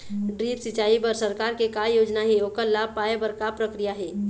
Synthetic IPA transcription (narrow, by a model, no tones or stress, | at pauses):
ɖɾiːpsɪt͡ʃaːibəɾsəɾkaːɾkekajoːd͡ʒnaɦɛoːkəɾlab̚paebəɾkapɾəkɾijaɦɛː